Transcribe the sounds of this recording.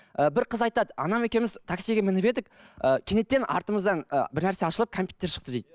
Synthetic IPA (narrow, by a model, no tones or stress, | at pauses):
əbɪɾqʰəzɑjt̪ɑd̪əɑ̰nɑmekʲe̞mɪzt̪ʰaksiɡʲemɪnɪbe̞d̪ɪk̚ʲ | əkʲʰe̞ne̞t̪ːe̞nʔɑ̰ɾt̪əməzd̪ɑnə̰bɪɾnæɾse̞ɑʃəlˠəp̚kʰompʲju̥t̪e̞ɾʃə̥q̚t̪əd̪ejd̪̥ɪ